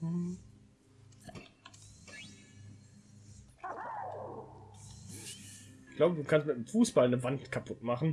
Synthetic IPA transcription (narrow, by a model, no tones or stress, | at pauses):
m̩ | ɪçɡ̥laʊbəduːkʰanstmɪtmfuːsb̥alnəvantkʰapʰʊtmaχn̩